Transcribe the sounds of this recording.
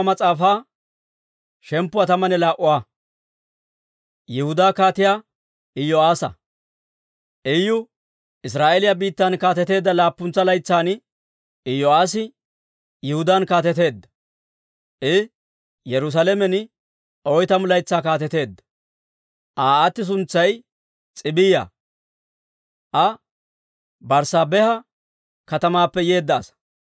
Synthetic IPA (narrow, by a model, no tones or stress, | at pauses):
mɐt͡sʼaːfaː | ʃɛmpːʊɐt̪ɐmɐnɛlaːʔʊwaː | jɛhʊd̪aːkaːt̪ɪjaː | ɪjɔaːsɐ̰ | ʔɛjːʊ | ʔɪs̬ɾaːʔɛlɪjabiːt̪ːɐnkaːt̪ɛt̪e̞ːd̪ːɐlaːpːʊnt͡sːɐlɐjt͡sːaːn | ɪjːɔaːs̬ɪ | jɪhʊd̪ankaːt̪ɛt̪̬e̞ːd̪ːɐ̥ | ʔɪ | jɛɾʊs̬alɛmɛnɪ | ɔjt̪ɐmʊlɐjt͡sːaːkaːt̪ɛt̪e̞ːd̪ːɐ̥ | ʔaːt̪ːɪs̬ʊnt͡sːɐj | t͡sʼɪbɪjɐ̰ | ʔɐ | bɐɾsaːbɛhɐ | kɐt̪ɐmaːpːɛje̞ːd̪ːɐ̰ːsɐ̥